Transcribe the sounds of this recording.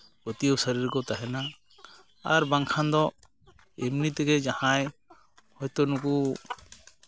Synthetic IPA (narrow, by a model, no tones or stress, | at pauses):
bɔt̪iəwsəɾiɾkɔt̪aɦɛna | aɾbaŋkʰand̪ɔ | emnit̪ɛɡɛd͡ʒahãj | hɔjt̪ɔnuku